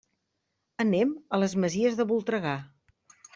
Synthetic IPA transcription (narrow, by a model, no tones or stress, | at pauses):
ənemələzməziəzðəβulˠt̪ɾəɣa